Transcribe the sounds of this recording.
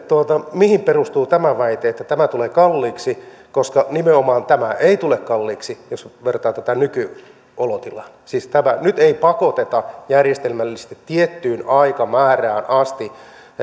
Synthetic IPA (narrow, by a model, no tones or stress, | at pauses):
t̪uot̪ɑmihimperust̪uːt̪æmæʋæit̪eːet̪ːæt̪æmæt̪uleːkɑlːiːksi | koskɑnimeomɑːnt̪æmæʔeit̪ulekkɑlːiːksijosʋert̪ɑːt̪æt̪ænyky | olot̪ilɑnsiːst̪æmænyt̪eipɑkot̪et̪ɑjærjest̪elmælːist̪it̪ːiet̪ːyːnɑikɑmæːræːnʔɑst̪i